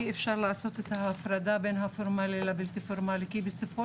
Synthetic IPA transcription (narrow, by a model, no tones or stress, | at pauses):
efʃaʁlaːso̞t̪et̪haːfɾad̪abenɦafoʁmalilabilt̪ifoɾmalikibesofo